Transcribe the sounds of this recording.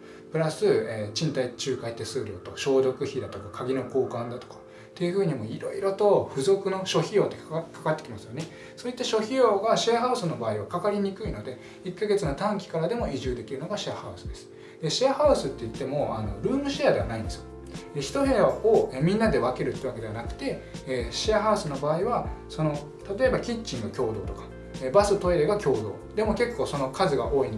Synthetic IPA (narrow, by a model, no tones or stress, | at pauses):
pɯ̟ɾasɨeːt͡ɕĩnt̪ait͡ɕɨːkait̪ːesɨːɾʲo̞̰ːt̪o̞ɕo̞ːd̪o̞kɯ̟çid̪at̪o̞kakʰaɡʲino̞ko̞ːkãnd̪at̪o̞̥kḁ | t̪ːe̞jɯ̟ɸɯ̟ːɲ̟imo̞iɾo̞̰iɾo̞t̪o̞ɸɯ̟zo̞kɯ̟no̞ɕo̞çijo̞ːt̪ːekʰḁkat̪ːe̞kʲimasɨjo̞ne̞ | so̞ːit̪ːaɕo̞çijo̞ːɡaɕeaɦaɯ̟sɨno̞baːiβakakaɾʲiɲ̟ikɯ̟ino̞d̪e̞ | ikːaɡe̞t͡sɨnot̪ãŋkʲi̥kaɾad̪e̞mo̞iʑɨːd̪e̞kʲiɾɯ̟no̞ɡaɕiahaɯ̟sɨ̥d̪e̞sɨ̥ | d̪e̞ɕiahaɯ̟sɨt̪ːe̞it̪ːe̞mo̞a̰no̞̰ɾɯ̟ːmɯ̟ɕiad̪e̞βa̰naĩnd̪esɨ̥jo | çi̥t̪o̞ɦe̞ːaoemʲĩnːad̪e̞βake̞ɾɯ̟t̪ːeɯβake̞d̪eanakɯ̟̥t̪e̞ːɕiaɦaɯ̟sɨno̞baːiβaso̞no̞ | t̪at̪o̞e̞bakʲit͡ɕːĩŋɡɯkʲo̞ːd̪o̞ːt̪o̞kḁ | ebasɨt̪o̞eɾeɡakʲo̞ːd̪o̞̰ːd̪e̞mo̞ke̞kːo̞ːso̞no̞kazɨɡa̰ʔo̞ːin